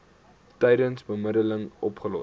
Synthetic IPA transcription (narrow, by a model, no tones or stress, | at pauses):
tɛjdənsbəmədələŋɔpχəlɔ